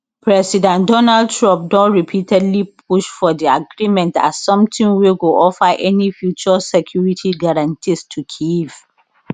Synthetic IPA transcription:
pʰɹɛsidɛ̃ntdɔnaldtɹɔ̃mp̚dɔ̃ntɹipʰitʰɛdlip̚ʰuʃfɔdiaɡɹimɛ̃nta̰ssɔ̃mtĩnweɡoʔɔfaʔɛnifjut͡ʃasɛkʰjuɹitʰiɡaɹãntʰistʰukʰiv̥

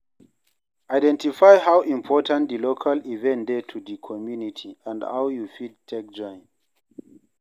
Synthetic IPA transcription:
ʔajdɛ̃ntifajhawʔĩmpʰɔtãntdilokʰalivɛ̃ntdetʰudikʰɔmjunitʰiãndha̰wjufid̚tʰɛk̚d͡ʒɔ̃ɪ̃n

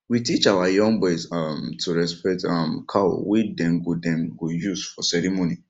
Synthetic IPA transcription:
witit͡ʃawajɔ̃ŋbɔjsamtʰuɹɛspɛtamkʰa̰widɛ̃nɡudɛ̃nɡujusfɔsɛɹimoni

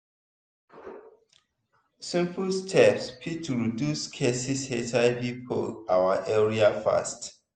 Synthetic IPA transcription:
sɪ̃mpəlstʰɛpspʰitʰuɹiduskʰesishetʰaɪpipʰo̰lʔawəʔɛɹiafa̰st

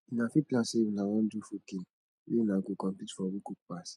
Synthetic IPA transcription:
inafiplaseinawɔ̃ndufokin | enaɡokɔ̃mpitfɔwikuk̚pas

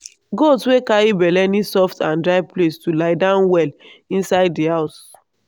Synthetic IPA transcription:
ɡoswekaɹibɛlɛnisɔftãndɹaɪplestulaɪdãʊ̃nwɛlĩnsaɪddihaʊs

